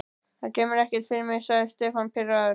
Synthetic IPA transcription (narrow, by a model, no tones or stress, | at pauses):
θaɾcɛːmɪɾɛhcɛt̪θɪɾmɪsast̪ɛfanpʰɪɾa